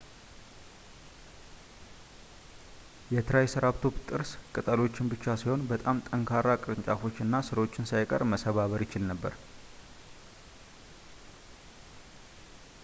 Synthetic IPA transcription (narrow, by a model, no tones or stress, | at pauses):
jɛt̪ʰɨɾajsɨɾaβt̪ʰo̞bt̪ʼɨɾskʼɨt̪ʼəlo̞t͡ʃːɪnbɨt͡ʃːasiho̞nbət̪ʼamt̪ʼəŋkʰaɾakʼɾɨɲt͡ʃʼafo̞t͡ʃːɨnːasɨɾo̞t͡ʃːɪnsajkʼə̰ɾməsəβaβəɾjɪt͡ʃɪlnəbːə̰ɾ